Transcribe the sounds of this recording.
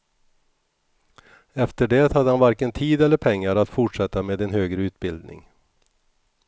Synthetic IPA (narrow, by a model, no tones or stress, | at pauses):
ɛft̪əɖeːt̪had̪ːəhanvaɾkənt̪ʰiːd̪ɛlːəɾpʰɛŋːaɾat̪fʊʈʂɛt̪ːameːd̪ɛnɦøːɡɾəʉ̟ːt̪̚bɪld̪nɪ̰ŋ